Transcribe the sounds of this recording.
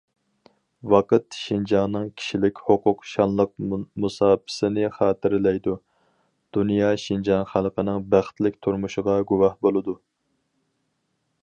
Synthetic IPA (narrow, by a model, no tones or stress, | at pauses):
wɑqət̪ʃind͡ʒɑŋnɨŋkʲʰi̥ʃilɪkʲhoqʰʊqʃɑnlˠəq̚musɑːpʰɪ̥sɪnɪχɑːt̪ʰɪɾlɛjd̪u | d̪̥unjɑːʃind͡ʒɑnχælˠqənɨŋbæχt̪lɪk̚ʲt̪ʰuɾmuʃəʁɑɡuwɑhbolˠɨd̪u